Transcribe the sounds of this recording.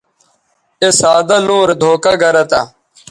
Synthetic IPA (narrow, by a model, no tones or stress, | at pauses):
esaːd̪alũːɾed̪ʱoːkaɡɐɾɐt̪aː